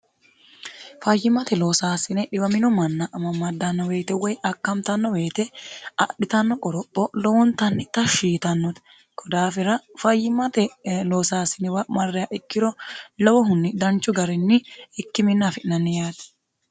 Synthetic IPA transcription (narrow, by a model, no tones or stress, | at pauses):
fɐjːɪmɐt̪ɛloːsaːsɪnɛᶑɪbɐmɪnɔmɐnːɐʔɐmɐmːɐd̪ɐnːɔwe̞ːt̪ɛwɔjɐkːɐmt̪ɐnːɔweːt̪ɛɐ̰ɗɪt̪ɐnːɔkʼɔɾɔpʼːɔlɔwɔnt̪ɐnːɪt̪ɐʃiːt̪ɐnːɔt̪ | kʰɔd̪aːfɪɾɐfɐjːɪmɐt̪ɛloːsaːsɪnɛwɐmɐrːɛjɐʔɪkːɪɾɔlɐwɔɦʊnːɪd̪ɐnt͡ʃːʊɡɐɾɪnːɪɪkːɪmɪnːafɪʔnɐnːɪjaːt̪